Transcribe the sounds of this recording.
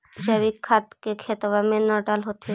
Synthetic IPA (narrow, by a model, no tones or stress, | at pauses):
d͡ʒəβikʰːat̪kekʰet̪wamẽnɔʈalɦot̪e